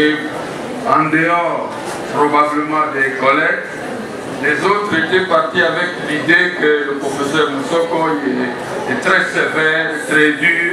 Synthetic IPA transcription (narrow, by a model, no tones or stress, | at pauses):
e | ɑ̃d̪əɔʁ | pʁɔbabləmɑ̃d̪ekɔlɛk | lezot̪ʁet̪epaʁt̪iavɛklid̪ekələpʁɔfesœʁmusɔkɔɛ | ɛt̪ʁɛsevɛʁt̪ʁɛd̪yː